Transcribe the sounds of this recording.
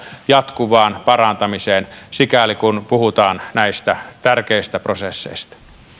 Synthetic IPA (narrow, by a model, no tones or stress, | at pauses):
jɑt̪kuʋɑːnpɑrɑnt̪ɑmiseːnsikælikunpuhut̪ɑːnnæist̪æt̪ærkeist̪æprosesːḛist̪ɑ̥